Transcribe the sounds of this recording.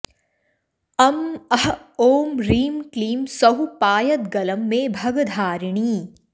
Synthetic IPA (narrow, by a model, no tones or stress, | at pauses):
ɐmɐɦoːmɾiːmkliːmsɐɦupaːjɐt̪ɡɐləmːẽːbʱɐɡd̪ʱaːɾɪɳ̃iː